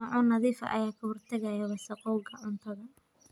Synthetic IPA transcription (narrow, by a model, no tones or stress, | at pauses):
ɑʕʊnɐðiːfɐ̰ʔɐ̰jaːkʰɐhʊrt̪ʰɐɣɐjɐwɐsɐqɔwɡɐʔʊnt̪ʰɐɣɐ